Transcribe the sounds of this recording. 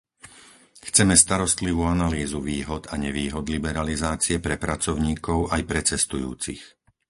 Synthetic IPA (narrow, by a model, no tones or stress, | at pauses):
xt͡sɛmɛst̪aɾɔst̪liʋuːanaliːzuʋiːɦɔd̪aɲɛʋiːɦɔd̪libɛɾalizaːt͡siɛpɾɛpɾat͡sɔʊɲiːkɔʊajpɾɛt͡sɛst̪ujṵːt͡sḭx